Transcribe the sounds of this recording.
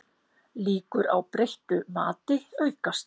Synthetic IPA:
liːkʏɾa̰wpɾejht̪ʏmaːt̪ɪœːɥkast̪

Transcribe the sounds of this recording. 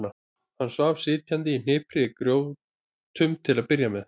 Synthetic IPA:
na | hanːsvaːv̥sɪːt̪ʰjant̪ɪin̥ɪːpʰɾɪkɾjoːwv | t̪ʰʏmt̪ʰɪlaðpɪɾjamɛð

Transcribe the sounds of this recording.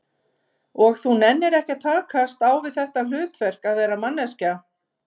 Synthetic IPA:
ɔɣθunɛnːɪɾɛhcɪt̪ʰaːkʰast̪aːwvɪðθɛht̪al̥ʏːt̪vɛr̥kaðvɛːɾamanːɛsca

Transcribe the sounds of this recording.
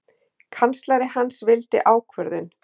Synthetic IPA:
kʰanst̪laɾɪhansvɪlt̪ɪ̰ʔaːwkʰvœɾðʏn

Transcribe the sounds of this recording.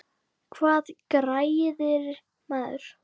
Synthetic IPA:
kʰvaːðkɾajɪðɪɾ | maːðʏ̰ɾ̥

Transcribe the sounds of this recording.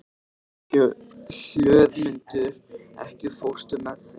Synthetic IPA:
sjœːðmʏnt̪ʏɾɛ̰hcɪ̥fow̥st̪ʏmɛð

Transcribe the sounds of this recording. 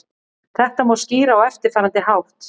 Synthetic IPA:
θɛht̪amɔwsciːɾaawɛft̪ɪɾ̥faːɾant̪ɪhawht̪

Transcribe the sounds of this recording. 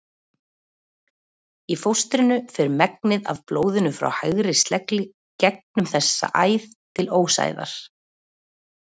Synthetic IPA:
ifowst̪ɾɪnʏfɛɾmɛk̚nɪða̰vploːwðɪnʏfɾa̰whajɣɾɪst̪lɛklɪ | cɛk̚nʏmθɛsːa̰ʔaːjθt̪ʰɪloːwsa̰ːjða̰ɾ̥

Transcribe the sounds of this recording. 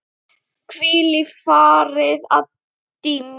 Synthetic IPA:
pʰrilɪfɔɾɪða | d̥ɪm

